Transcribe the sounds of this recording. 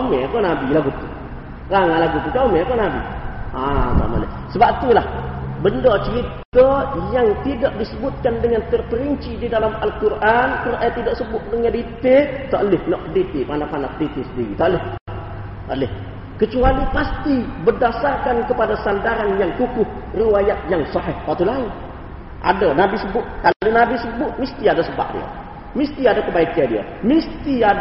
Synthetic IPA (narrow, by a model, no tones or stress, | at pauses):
omekɔnabilaɡut̪u | raŋalaɡut̪ut̪aomekɔnabḭat̪a̰ma̰lɪ | səbat̪ulahbəndɔt͡ʃəɾit̪ajaŋt̪idaʔdisəbʊt̪̚kandəŋant̪ərpəɾiɲt͡ʃididalamalkurʔankənaʔjat̪idaʔsəbʊʔ̪̚dəŋandit̪et̪aʔəlɪhnɔʔədit̪ipanapanapədit̪isəndiɾḭt̪aʔlɪh | alɪh | kət͡ʃualipast̪ibərdasarkankəpadasandaɾanjaŋkukʊh | riwajat̪̚jaŋsɔɦɪhwat̪ulaɪn | ʔa̰danabisəbʊt̪̚kaldanabisəbʊt̪̚mist̪iadasəba̰ʔ̚dḭə̰ | mist̪iadakəbaikandiə̰ | mist̪ia